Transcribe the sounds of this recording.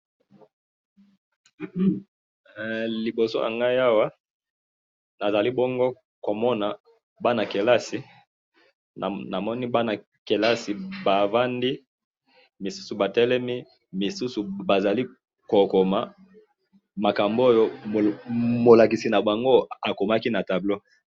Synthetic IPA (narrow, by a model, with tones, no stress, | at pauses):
li˨bo˨so̰˦ʔa̰˨ŋɡa˦ja˦wa˦ | na˨za˨li˦bɔ˦ŋɡo˦ | ko˨mɔ˦na˨ | ba˦na˨ke˨la˦si˨ | na˨mɔ˦ni˦ba˦na˨ | ke˨la˦si˨ba˨va˦ndi˦ | mi˨su̥˦su˨ba˨tɛ˦lɛ˦mi˦ | mi˨su˦su˨ba˨za˨li˦ | ko˨ko˨ma˨ | ma˨ka˨mbo˦jo˦˨ | mo˨la˨ki˨si˨na˨ba˨ŋɡo˦a˨ko˨ma˦ki˦na˨ta˨blo˦